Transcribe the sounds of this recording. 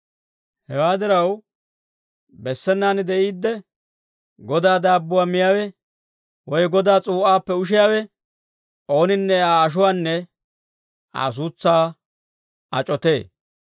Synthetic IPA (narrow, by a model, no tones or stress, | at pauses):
hɛwaːd̪ɪɾɐw | bɛsːɛnːaːnd̪ɛʔiːd̪ːɛ | ɡɔd̪aːd̪aːbːʊwaːmɪjaːwɛ | wɔjɡɔd̪aːt͡sʼuːʔaːpːɛʊʃ̬ɪjaːwɛ | ʔo̞ːnɪnːɛaːʃ̬ʊwaːnːɛ | a̰ːs̬uːt͡sːaː | ɐt͡ʃʼɔt̪e̞ː